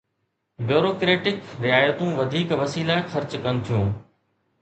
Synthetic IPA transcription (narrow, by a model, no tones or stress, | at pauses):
bjoːɾoːkɾeːʈɪkɾɪaːjət̪ũʋɐd̪ʱiːkʋɐsiːlaxɐɾt͡ɕkɐnɪ̆t̪ʰijũː